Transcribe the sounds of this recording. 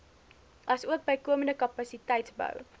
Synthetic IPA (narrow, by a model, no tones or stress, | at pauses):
ʔɐsuək̚bəjkuəməndəkɐpɐsitɛjtsbə̰w